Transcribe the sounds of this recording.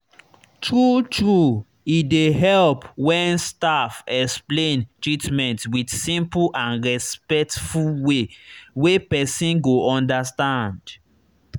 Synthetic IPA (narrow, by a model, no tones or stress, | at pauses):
tɹutɹu | ideɦɛlpwɛ̃nstafɛksplẽntɹitmɛ̃ntwidsĩmpuʔãnɹɛspɛk̚tfulwewepɛsĩnɡoʔɔ̃ndastãnd